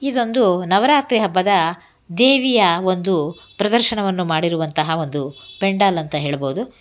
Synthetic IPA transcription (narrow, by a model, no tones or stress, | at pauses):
id̪o̞nd̪unɐʋɐɾaːt̪ɾiɦɐbːɐd̪ɐ | d̪eːʋijɐo̞nd̪upɾɐd̪ɐɾʃɐɳɐʋɐnːumaːɽiɾuʋɐnt̪ɐɦɐo̞nd̪upeɳɖaːlɐnt̪ɐɦe̞ːɭɐbo̞ːud̪u